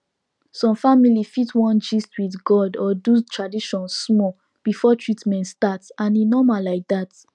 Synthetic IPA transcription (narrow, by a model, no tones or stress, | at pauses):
sɔ̃mfamilifitwɔ̃nd͡ʒistwiθɡɔdɔdutɹadiʃɔ̃nssmɔ | b̥ifɔtɹitmɛ̃ntstatsãninɔmalaɪk̚dat